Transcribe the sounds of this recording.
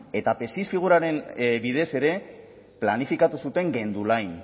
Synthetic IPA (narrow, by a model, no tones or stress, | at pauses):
e̞t̪ape̞sisfiɣ̞uɾaɾe̞nbiðe̞se̞ɾe̞ | planifikat̪usut̪e̞ŋɡe̞nd̪ulajn